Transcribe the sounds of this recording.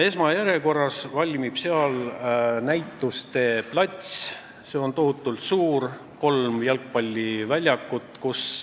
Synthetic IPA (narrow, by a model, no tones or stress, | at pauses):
e̞smɑjæɾe̞ko̞rːɑsvɑlʲmib̥se̞ɑlnæjt̪ːˑust̪e̞plɑt̪ʲsʲ | se̞o̞nt̪o̞hut̪ːˑult̪suːr | ko̞lmjɑlk̚pɑlʲːivælʲjɑkːˑut̪ˑkus